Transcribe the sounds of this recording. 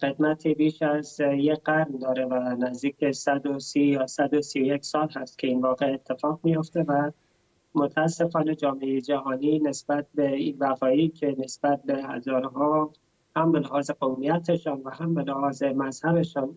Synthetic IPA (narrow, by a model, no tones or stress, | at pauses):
xed̪mæt̪ʰiːbiːʃæzjeɢæɾnd̪ɒːɾe̞vænæzd̪iːc̚besæd̪osijɒːsæd̪osijojekʲsɒːlhæst̪cʰe̞iːnvɒːɣe̞et̪ʰːe̞fɒːɣmijo̞ft̪evæ | mot̪ʰæːsːe̞fɒːne̞d͡ʒɒːmeejed͡ʒæɦɒːniːne̞sb̥æt̪̚beibæfɒːiːcʰe̞ne̞sb̥æt̪̚be̞hæ̰zɒːɾeɦɒː | hæmbe̞leɦɒːzeɣomijæt̪ʰeʃɒːnvæhæmbe̞lehɒːze̞mæzhæbe̞ʃɒːn